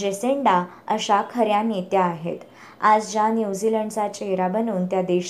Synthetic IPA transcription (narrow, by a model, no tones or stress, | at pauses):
d͡ʑeseɳɖa | əɕakʰəɾjanet̪jaːɦḛt̪ | ad͡zd͡ʑanjud͡ziləɳɖsat͡ɕeeɾabənuːnt̪jad̪eɕ